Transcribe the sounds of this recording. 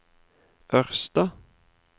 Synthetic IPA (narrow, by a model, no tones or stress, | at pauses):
ʔœʁst̪ɑ